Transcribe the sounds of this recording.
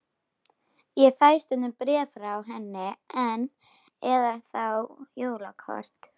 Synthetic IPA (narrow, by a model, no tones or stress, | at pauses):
jɛfajst̪ʏnʏmpɾɛːfɾawɦɛnːɪɛn | ɛðaɾ̥θawjoːwlakʰɔ̰ɾ̥t̪